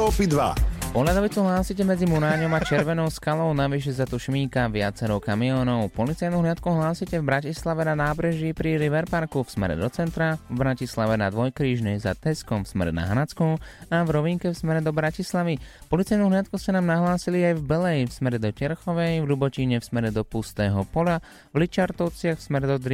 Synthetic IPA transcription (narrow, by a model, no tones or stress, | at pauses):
ɔpid̪ʋa̰pɔɦlad̪ɔʋit͡suɦlaːsicɛmɛd͡zimuɾaːɲɔmat͡ʃɛɾʋɛnɔʊskalɔʊnaʋiʃ̬ɛzat̪uʃmiːkaʋɪa̰t͡sɛɾɔʊkamiɔːnɔʊpɔlit͡sajnuɦlɪat̪̚kuɦlaːsicɛvbɾacislaʋɛnanaːbɾɛʒipɾiɾiʋɛɾpaɾkufsmɛ̰ɾɛ̰d̪ɔt͡sɛnt̪ɾavbɾacislaʋɛnad̪ʋɔjkɾiːʒɲɛjza̰t̪ɛskɔmfsmɛ̰ɾɛ̰na̰ɦanat͡skuavɾɔʋiŋkɛfsmɛɾɛd̪ɔbɾacislaʋipɔlit͡sajnuɦlɪat̪̚kuscɛnaːmnaɦlaːsiliajvbɛlɛjfsmɛɾɛd̪ɔt͡ʃɛɾxɔʋɛjvlubɔciɲɛfsmɛɾɛd̪ɔpust̪ɛːɦɔpɔla | vlit͡ʃaɾt̪ɔʊt͡sɪaxfsmɛɾɛd̪ɔd̪ɾ